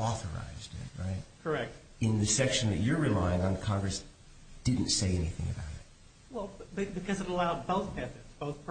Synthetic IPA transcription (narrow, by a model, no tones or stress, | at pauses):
ɔθə̰˞a̰ɪzdɪ̰t̚ɹa̰ɪt̚kʰə˞ɛk̚t̚ | ɨ̃nðɨsɛkʃɨ̃n̩ðɨt͡ʃə˞ɹɨlaɪɪ̃ŋə̃nkʰɑ̃ŋɡɹɨs | d̥ɪdⁿn̩tseɪɛnḭθɪ̰̃ŋɨ̰baʊɾɨ̰t̚ | wɛlˠb̚bɨbɨkʰʌzɨɾəlaʊd̚boʊθpʰæθɨ˞z̥b̥oʊθpʰ